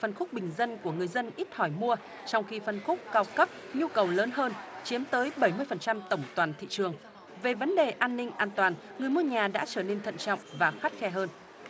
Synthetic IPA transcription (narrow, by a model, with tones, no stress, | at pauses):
fə˧˩nxʊ˦˥k͡p̚ɓï˨˩ŋ̟zə˧nku˧˩əŋɨ˨˩əjzə˧nʔi˦˥t̚hɔ˧˩jmu˧ə | t͡ɕɔ˧wŋ͡mxi˧fə˨˧˩nxʊ˦˥k͡p̚kaː˧wkə˦˥p̚ | ɲu˧kə˨˩wləː˨˦nhɦəː˧nt͡ɕi˨˦əmt̪əː˨˦jɓə˧˩jmɨ˧əjfə˨˩nt͡ɕa˧mt̪ə˧˩wŋ͡mt̪waː˨˩nt̪ʰḭ˧˨t͡ɕɨ˨˩əŋ | ve˨˩və˨˦nɗe˨˩ʔaː˧nːï˧ŋ̟ʔaː˧nt̪waː˨˩n | ŋɨ˨˩əjmu˧əɲaː˨˩ɗa̰ː˧˥t͡ɕəː˧˩ne˧nt̪ʰə̰˧˨nt͡ɕɔ̰˧˨wŋ͡mvaː˨˩xa˦˥t̚xɛ˧ɦəː˧n